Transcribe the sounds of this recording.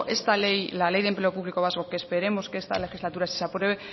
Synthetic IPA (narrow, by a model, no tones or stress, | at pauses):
ʔe̞st̪ale̞jlale̞jðemple̞o̞puβliko̞βazɣo̞keːspe̞ɾe̞mo̞skeest̪a̰le̞xizlat̪uɾasi̥sapɾwe̞βe